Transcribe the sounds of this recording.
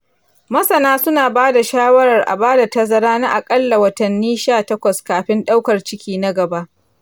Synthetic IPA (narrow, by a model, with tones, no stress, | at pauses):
mɐ˦sɐ˨naː˦sʊ˦naː˨baː˦da˨ʃaː˦wɐ˦ɾɐ˨rʔa̰˨baː˦da˨tɐ˦zɐ˦ɾaː˦na˦ʔa˨kʼɐ˦lːa˨wɐ˦tɐ˨nːiː˦ʃaː˦˨tɐ˦kʷɐ˨skaː˨ɸɪ˦nɗa˦wkɐ˨rt͡ʃɪ˦kʲiː˦na˦ɡɐ˨ba˦ʔ